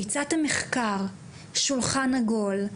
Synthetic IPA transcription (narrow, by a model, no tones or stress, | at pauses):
it͡sat̪hameχkaʁ | ʃulχanaɡo̞l